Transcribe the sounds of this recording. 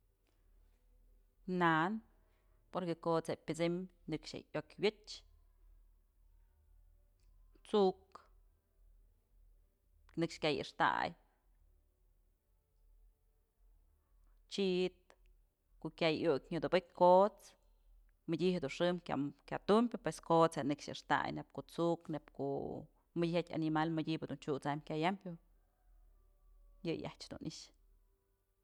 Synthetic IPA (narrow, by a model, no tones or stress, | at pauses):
nan | poɾkekot͡sepʲɨt͡sɨmnɨkʂḛʔjokʲbʲɨt͡ʃ | t͡suk | nɨkʂkʲajḭʂt̪a̰j | t͡ʃit̪̚ | koʔkʲajukʲɲɨd̪ɨbɨk̚ʲkot͡s | mɨdʲihed̪unʂɨmkʲa̰kʲat̪umpʲɨpweskot͡shenɨkʂɨ̰ʂt̪a̰jnep̚koʔt͡suknepko̰ʔ | mɨhatʲa̰nimalmɨdʲibɨd̪unt͡ʃut͡samkʲajampʲu | jɨja̰ht͡ʃd̪ṵnʔiʃ